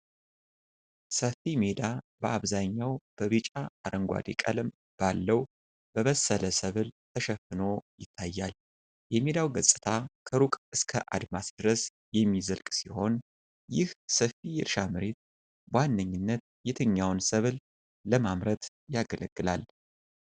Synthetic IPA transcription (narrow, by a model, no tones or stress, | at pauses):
səfimed̪abəaβzaɲːawb̥əβɨt͡ʃʼaːɾəŋɡʷa̰d̪ikʼə̰lɨm | b̥alːəw | b̥əβəsːələsəβɨlt̪ʰəʃɛfːɨno̞jɪt̪ʰːajːal | jɛme̞d̪awɡəsʼɨ̥t̪ʰakʰəɾukʼɨskʰəʔa̰d̪masd̪̥ɨɾəs | jɛmːizəlkʼsiho̞n | jɪhsəfijɪɾʃamɨɾe̞t̪̚ | banːəɲːɪnːət̪̚ | jɛt̪ʰɨɲːawnsəβl | ləmamɾət̪ | jaɡələɡ̥ːɨlal